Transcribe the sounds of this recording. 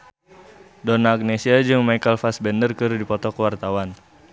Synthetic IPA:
dɔnaːɡ̚nesiad͡ʒɨŋmajkəlfasbɛndərkəɾudipɔt̪ɔkəwart̪awan

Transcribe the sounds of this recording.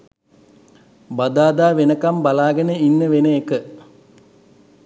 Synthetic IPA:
bad̪aːd̪aːʋenəkambalaːɡənəinːəʋenəekə

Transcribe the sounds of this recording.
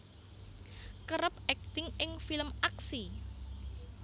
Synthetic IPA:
kəɾəp̚ɛk̚t̪ɪŋʔɪŋfiləmaksi

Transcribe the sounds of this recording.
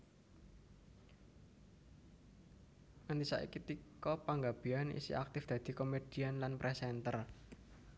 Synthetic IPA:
ŋant̪isa̰ʔḭkit̪ikɔpaŋɡab̥i̤anḭsḭʔa̰k̚t̪ɪfd̪̥ä̤d̪̥i̤komed̥i̤anlanpɾʔɛsɛnt̪ər

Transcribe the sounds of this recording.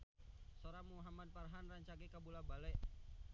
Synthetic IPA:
soɾamuɦamad̪̚parɦanraɲt͡ʃaɡikabulabalɛʔ

